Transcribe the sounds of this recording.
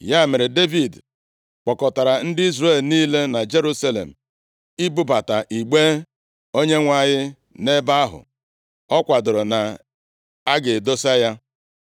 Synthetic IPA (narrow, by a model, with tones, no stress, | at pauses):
ja˦˨me˨ɾe˨de˦vi˨d | k͡pɔ˨kɔ˨ta˨ɾa˨n̩˦dɪ˦i˦zɾe˦˨lniː˦le˦na˨d͡ʒe˦ɾu˦sa˦lḛ˨m̩˨ | i˦bu˦ba˨ta˨ʔi˨ɡ͡be˦ | o˦ɲe˦ŋʷa˨ɲɪ˦ | ne˦ba˦a˦ɦʊ̰˨ | ɔ˦kʷa˨dʊ˨ɾʊ˨na˨ | a˦ɡe˨do˦sa˦ja˦